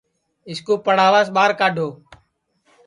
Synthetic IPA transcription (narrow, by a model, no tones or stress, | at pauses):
ɪskuːpəɽ̤aːʋaːsɓaːɾkaːɖʱoː